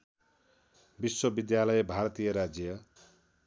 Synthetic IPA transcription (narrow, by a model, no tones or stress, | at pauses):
biswʌbid̪jalʌjebʱarʌt̪ijʌɾad͡zjʌ